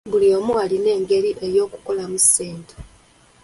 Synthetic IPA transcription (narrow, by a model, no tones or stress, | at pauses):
buliomuwaline̞ːŋɡe̞ɾiʔejo̞ːku̥ko̞lamuseːntʰo̥